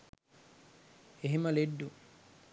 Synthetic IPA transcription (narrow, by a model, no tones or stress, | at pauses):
eɦimɐleɖːu